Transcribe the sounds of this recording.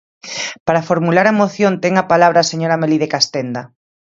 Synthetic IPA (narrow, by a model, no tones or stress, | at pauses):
paɾafoɾmulaɾamoθjont̪eŋapalaβɾaːseɲoɾameliðekast̪end̪a